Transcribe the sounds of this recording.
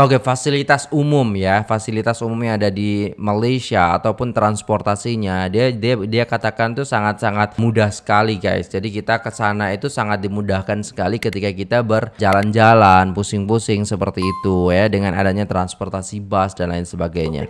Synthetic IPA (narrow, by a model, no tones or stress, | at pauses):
okefasilit̪asumʊmjafasilit̪asumʊmjaŋadadimalesia̰ːt̪awpʊnt̪ɾanspɔrt̪asiɲadiadiadiakat̪akant̪usaŋat̪̚saŋat̪̚mudahsə̥kaliɡa̰jsd͡ʒadikit̪akəsanait̪usaŋat̪̚dimudahkansə̥kalikət̪ikakit̪abərd͡ʒaland͡ʒalanpusɪŋpusɪŋsəpərt̪iːt̪ujadəŋana̰daɲat̪ɾanspɔrt̪asibasdanlaɪnsəbaɡajɲa̰